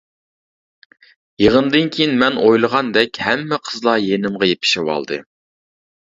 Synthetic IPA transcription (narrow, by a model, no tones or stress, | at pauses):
jeʁənd̪ɨnkʲʰejinmɛnojlˠəʁɑnd̪ɛkʲhɛmːɪqʰəzlˠɑjenɪmʁɑjepʰɪ̥ʃɪwɑ̰lˠd̪ɨ̰